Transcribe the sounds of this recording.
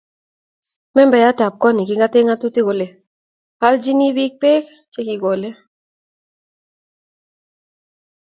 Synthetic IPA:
mɛ˦mbɛ˨ja˦ta˨p̚kɔ˦ni˨ki˦ŋɡa˦te˦ŋa˦tu˦te˦ɡo˨le˨ | ha˦ld͡ʒi˦ni˦bi˦k̚pe˦k | t͡ʃe˦ki˨ɡɔ˨le˦

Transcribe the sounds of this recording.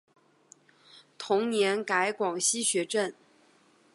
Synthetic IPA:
t̪ʰʊ˧˥ŋnjɛ˧˥nka˧˥ɪkwɑ˨˩ŋɕi˥ɕɥɛ˧˥ʈ͡ʂə˥˩n

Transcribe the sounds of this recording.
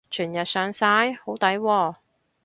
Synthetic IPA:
t͡ʃʰyː˨˩njɐ˨t̚sœː˨˧ŋsaː˥jho˨˥wt̪ɐ˨˥jwɔː˧˩

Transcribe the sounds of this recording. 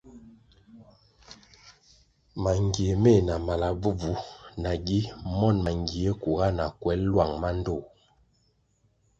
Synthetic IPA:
ma˨ŋɡi˨e˨me˦˨na˨ma˨la˨bu˦b͡vu˦na˨ɡi˦mɔ˦˨nma˨ŋɡi˨e˦ku˨ɣa˦na˨kwɛ˨˦llwa˨ŋma˦n˦do˦˨

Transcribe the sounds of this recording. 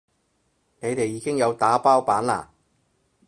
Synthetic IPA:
ne˨˧jt̪e˨jːiː˨˧kɪ˥ŋjɐ˨˧wt̪aː˨˥paː˥wpaː˨˥nla̰ː˨˩

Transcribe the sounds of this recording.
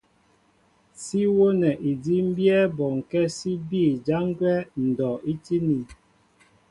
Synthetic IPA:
si˦wo˦nɛ˨ʔi˨di˦m̩˦bjɛ˦bɔ˨ŋ̩˨kɛ˦si˦biː˦˨d͡ʒa˦ŋ˦ɡwɛ˦n̩˨dɔ˨i˦ti˦ni˨

